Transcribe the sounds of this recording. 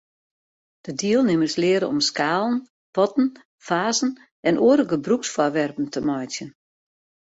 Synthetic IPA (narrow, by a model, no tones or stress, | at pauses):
d̥ədiəlˠnɪməslɪəɾəɔ̰mskaːlˠən̩ | pɔtn̩ | faːzn̩ | ɛnʔoəɾəɡəbruksfɔrʋɛrpən̩təmɔjtjən